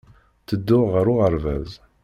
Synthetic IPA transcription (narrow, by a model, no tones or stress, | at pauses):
θəd̪ːʊʁʁəɾʊʁəɾvæ̰z